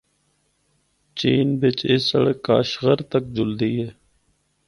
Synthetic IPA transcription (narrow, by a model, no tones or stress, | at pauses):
t͡ʃiːnbɪt͡ʃɪsəɽəkːaːʃɣəɾt̪ək̚d͡ʒʊld̪iːɦeː